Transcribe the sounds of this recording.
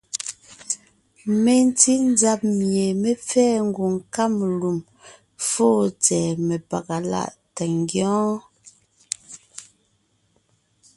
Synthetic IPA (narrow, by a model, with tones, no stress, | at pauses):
me˨n˦ti˦n˦d͡za˦p̚mje˨me˦p͡fɛː˦ŋ̩˦ɡu˨ŋ˨ka˦mlu˨m | foː˦˨t͡sɛː˨me˨pa̰˨ka˨la̰˦˨ʔta˨ŋ˦ɡjɔ̃ː˦